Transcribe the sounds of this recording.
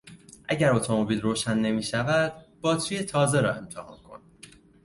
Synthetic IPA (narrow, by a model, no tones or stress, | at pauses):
ʔæɟæɾo̞t̪ʰo̞mo̞biːlɾoːʃænːe̞miːʃævæd̪̥b̥ɒːt̪t͡ʃuːje̞t̪ʰɒːze̞ɾɒːe̞mt̪ʰehɒ̰ːnkʰo̞̰n